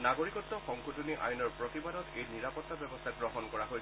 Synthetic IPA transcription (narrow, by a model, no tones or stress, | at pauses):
naɡoɹikɔtːɔxɔŋkʰotuniʔa̰jnɔɹpɹot̪ibadɔtejniɹapɔt̪ːabɛbɔst̪ʰaɡɹɔɦɔnkɔɹaɦoj